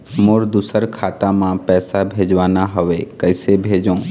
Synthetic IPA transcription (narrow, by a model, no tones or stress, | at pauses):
moɾd̪ʊsəɾkʰaːt̪amãpɛːsabʱeːd͡ʒʋaːnaɦəʋekəɪsebʱeːd͡ʒõː